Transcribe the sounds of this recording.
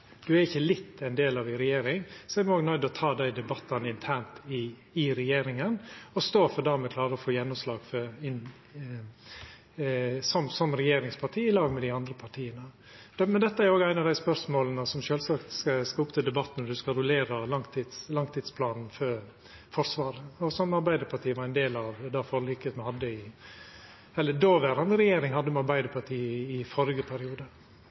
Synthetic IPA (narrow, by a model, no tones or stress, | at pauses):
d̪ʉæɾɪçːəlɪt̪ʰːɛɪnd̪eːlɑʋɪɾɛjeːɾɪŋsɔɛɾmoːɡnœʏd̪ɔt̪ʰɑːd̪æɪd̪ɛbɑt̪ːɑnɪnt̪ʰæːɳt̪ɪ | ɪɾɛjeːɾɪŋənɔst̪oːfɔɖ̪æːɾmɛkʰlɑːɾəɔfoːjɛnːɔmslɑːɡfɔɾɪ | sɔmsɔmɾɛjeːɾɪŋspʰɑʈʰiːɪlɑːɡmɛd̪ɪɑnd̪ɾəpʰɑʈʰiːənə | d̪mɛnd̪ɛt̪ːəæɾoːɡæɪnɑʋd̪æɪspœɾsmoːlənəsɔmʃøːlsɑkt̪skɑskɑʊpt̪ʰɪld̪ɛbɑt̪ːnɔd̪ʉskɑɾʊleːɾɑlɑŋt̪ʰɪd̪slɑŋt̪ʰɪːd̪spʰlɑːnn̩fœ | fɔɾsʋɑːɾəɔsɔmːɑɾbæɪd̪əɾpʰɑʈʰiːəʋɑɾæɪnd̪eːlɑʋd̪ɑfɔɾlɪkət̪mhɑd̪ːəɪ | ɛlːəd̪oːʋæɾɑnd̪əɾɛjeːɾɪŋhɑd̪ːəmɛɑɾbæɪd̪əɾpʰɑʈʰiːɪfɔɾɡəpʰæɾɪuːd̪ə